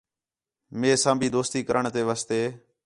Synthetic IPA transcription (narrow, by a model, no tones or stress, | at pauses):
meːsãːmbʱiːd̪oːst̪iːkəɾəɳt̪eːʋaːst̪eː